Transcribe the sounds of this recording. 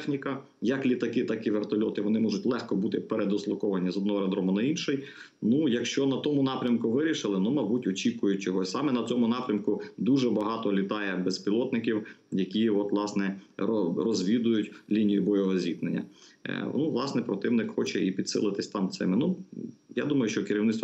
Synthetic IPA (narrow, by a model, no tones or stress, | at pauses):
t̪ɛxnʲikɐ | jɐklʲit̪ɐkɪt̪ɐkɪʋert̪ɐlʲɔt̪ɪʋɔnɪmɔʒʊtʲlˠɛxkɔbut̪ɪpeɾed̪ɔslˠɐkɔʋɐnʲizɔd̪nɔɦɔɾɐd̪ɾɔmʊnɐinʃɪj | nujɐkʃt͡ʃɔnɐt̪ɔmʊnɑpɾʲɐmkʊʋɪɾʲiʃɪlˠɪnumɐbutʲɔt͡ʃʲikʊjʊt̚ʲt͡ʃɔɦɔsʲsɑmɛnɐt͡sʲɔmʊnɑpɾʲɐmkʊd̪uʒɛbɐɦɑt̪ɔlʲit̪ɑjɛbɛspʲilˠɔt̪nɪkʲiwjɐkʲiɔt̪ʋlˠɑsnɛɔrɔzʲʋʲid̪ʊjʊtʲlʲinʲijʊbɔjɔɦɔzʲit̪nenʲːɐ̰nuʋlˠɑsnɛpɾɔt̪ɪwnɪkxɔt͡ʃɛipʲid̪sɪ̰lˠɪt̪ɪsʲt̪ɑmt̪sɪ̰mɪnujɑ̰d̪umɐjʊʃt͡ʃɔkɪɾʲiwnɪt̪t̪